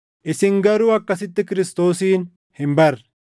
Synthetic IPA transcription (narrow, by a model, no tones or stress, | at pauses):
ʔɪsɪŋɡɐɾʊɐkːɐsɪt̪ːɪkɪɾɪst̪o̞ːsiːn | hɪmbɐr